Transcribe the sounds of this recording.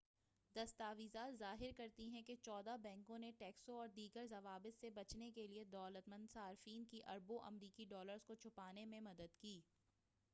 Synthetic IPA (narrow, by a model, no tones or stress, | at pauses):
d̪ɐst̪aːʋizaːlzaːɦɪɾkɐɾt̪iɦɛ̃ket͡ʃɔːd̪abɛ̃ːŋkõneʈɛːksoɔːɾd̪iːɡəɾzɐʋaːbət̪sebɐt͡ʃnekelied̪ɔːlət̪mɐ̃nd̪saːɾfiːnkiʔɐɾboʔɐ̰mɾiːkiɖɔːləɾzkot͡ʃʰʊpaːnemẽmɐd̪əd̪kiː